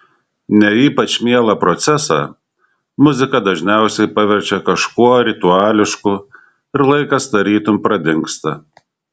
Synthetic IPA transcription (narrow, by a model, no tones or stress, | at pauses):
nʲɛiːpɐt͡ʃmʲiɛlˠɐpɾɔt̪sʲɛsɑ̰ | mʊzʲɪkɐd̪ɐʒʲnʲɛˑʊsʲɛɪpɑʋʲɛɾʲt͡ʃʲɛkɐʃkuɔɾʲɪt̪ʊɑːlʲɪʃkʊ | ɪɾlˠɐɪkɐsd̪ɐɾʲiːt̪ʊmpɾɐd̪ʲɪŋkst̪ɐ